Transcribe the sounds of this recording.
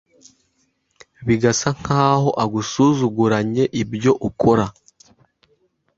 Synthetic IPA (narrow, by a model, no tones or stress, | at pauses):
βiɡasaŋ̥haːho̞ʔaɡusuzuɡuɾaɲe̞ʔibjo̞ʔukʰo̞ɾa